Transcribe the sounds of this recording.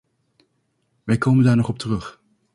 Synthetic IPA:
ʋɛjkoːwməndaːɹnɔχɔp̚tərɵχ

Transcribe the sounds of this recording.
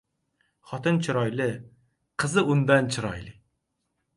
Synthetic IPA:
χɒt̪ɨnt͡ʃʰɪɾɒjlɪ | qʰɨzɨʊnd̪ant͡ʃʰɪɾɒ̰jlˠɪ

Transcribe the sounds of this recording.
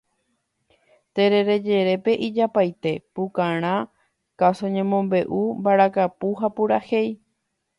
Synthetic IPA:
t̪e̞ɾe̞ɾe̞d͡ʒe̞ɾe̞pe̞ʔid͡ʒapajt̪e̞pukãɾ̃ã | kasoɲẽmõmbe̞ʔumbaɾakapuɦapuɾahe̞j

